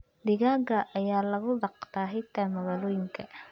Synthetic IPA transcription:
d̪ɪɣaːɡɐʔɐjaːlɐɣʊd̪ɑqt̪ʰaːɦɪt̪ʰɐmɐɣaːlɔːjɪŋkʰɐ

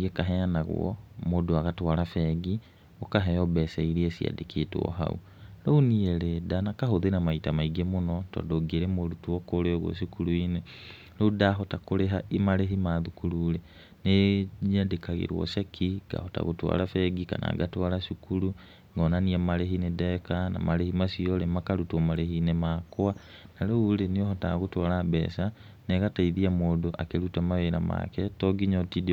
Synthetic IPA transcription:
iɛkaɦɛanaɣw̰ɔ̰modoaɣatwaɾafɛɡi | okaɦɛɔbɛsɛiɾiesia̰dekʰetwɔ̰ɦa̰ṵ | ɾounieɾedanakaɦoðenamaitamaiɡemonɔtɔ̰ːndoɡeɾemodutwɔkoɾeɔɣwɔ̰ɕikuɾuine | loudaɦɔtakoɾeɦaimaɾeɦimaːðukuɾuːɾe | neɲandekaɣḛɾwɔ̰sekʰiɡ̥a̰hota̰ɣutwa̰lafɛɡika̰na̰ɡatwalaʃikulu | ŋɡɔnaniamaɾeɦinedekana̰maɾehimasiolemakaɾutwomaɾeɦinemakwanaloulenioɦota̰ɣutwalabɛ̰ːsa | neɣataiðiamoːdoʔakeɾutamaeɾama̰kɛtoɡiɲotid

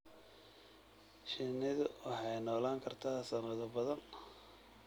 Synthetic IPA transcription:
ʃɪnɪðʊwʔɑħɑjnɔːlaːŋkʰɐrt̪ʰaːsɐnɐðʊbɐðɐn

